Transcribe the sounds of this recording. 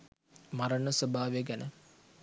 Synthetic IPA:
maɾənəsəbʱaːʋjəɡænə

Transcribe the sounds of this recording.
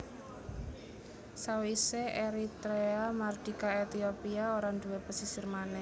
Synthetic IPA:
sawiseʔeɾit̪ɾeamard̥i̤kaet̪iopiaoɾand̪uwepəsisərmanɛ

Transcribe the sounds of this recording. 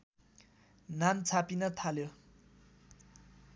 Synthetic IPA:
nant͡sʰapinʌt̪ʰaljo

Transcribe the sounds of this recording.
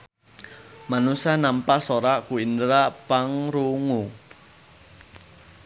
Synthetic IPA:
manusanampasoɾakuindɾapaŋɾuŋu

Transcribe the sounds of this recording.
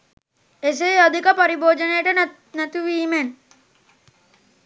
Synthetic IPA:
es̬eɐd̪ʱikəpɐɾiboːd͡ʒənejəʈə | næt̪uʋiːmen

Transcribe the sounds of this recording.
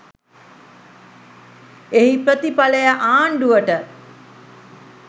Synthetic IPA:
eɦipɾət̪ipaləjaʔaːɳɖuʋəʈə

